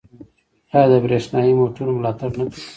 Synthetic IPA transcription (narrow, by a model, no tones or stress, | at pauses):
ɑjɑd̪əbɾeʂnɑjimoʈuɾomlɑt̪aɽnak̪i